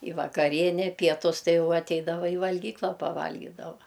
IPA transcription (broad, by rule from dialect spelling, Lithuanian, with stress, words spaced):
ɪ ʋɐkɐˈrʲiɛnʲɛ pʲiɛˈtʊs ˈtɐɪ ˈjɛʊ ɐtʲˈɛɪdɐʋɐ ɪ ʋɐlʲˈɡʲiːklˠɐ pɐˈʋɐlʲɡʲiːdɐʋɐ